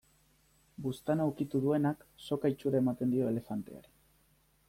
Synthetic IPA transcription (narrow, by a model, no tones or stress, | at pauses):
bust̪anawkit̪uðue̞nakso̞kait͡ʃuɾae̞mat̪end̪io̞e̞le̞fant̪e̞̰a̰ɾi